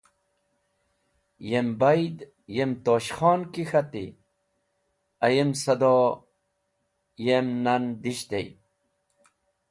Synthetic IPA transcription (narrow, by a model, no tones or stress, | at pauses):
jembajd̪ | jemt̪oːɕxɔːnkixat̪ḭ | ɐjemsɐd̪o | jemnand̪iɕt̪ḛj